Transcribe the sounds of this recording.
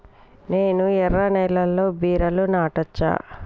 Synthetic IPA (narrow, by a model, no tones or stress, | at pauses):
ne̞ːnuɛɾːɐnɛjlɐlːo̞ːbiːɾɐlunaːʈɐt͡ʃːa̰ː